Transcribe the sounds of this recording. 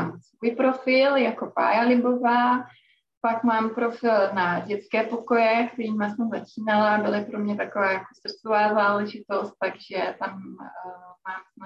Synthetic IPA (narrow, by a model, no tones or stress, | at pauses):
amsvuːjpɾo̞fɪljako̞pa̰ːjalɪbo̞vaː | pakmaːmpɾo̞fɪlnaɟɛt͡skɛːpo̞ko̞jɛkt̪ɛɾiːmasɛmzat͡ʃiːnalaabɪlɪpɾo̞mɲɛt̪ako̞vaːjako̞srt͡sovaːzaːlɛʒɪt̪o̞st̪̚t̪ːaɡʒɛt̪am | maːmsm